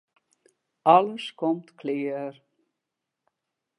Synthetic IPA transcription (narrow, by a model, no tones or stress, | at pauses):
aləskʰɔmt̪kʰleːɾ